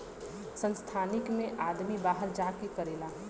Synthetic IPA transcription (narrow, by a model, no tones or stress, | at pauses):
sə̃nst̪ʰaːnɪkmẽʔaːd̪mibaːɦəɾd͡ʒaːkekəɾeːlaː